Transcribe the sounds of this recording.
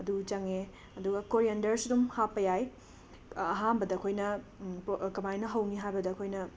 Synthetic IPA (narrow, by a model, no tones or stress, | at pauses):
ɐdut͡ʃɐŋe | ɐduɡɐkoɾiɐndɐɾsidumhapːɐjaj | ɐɦanbɐdɐːkʰojnɐpkɐmajnɐɦɐwniɦajbɐdɐɐkʰojnɐ